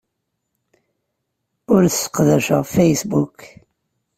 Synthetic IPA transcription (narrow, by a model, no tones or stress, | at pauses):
ʊɾθəsə̥qðæʃə̰ʁfejsbuk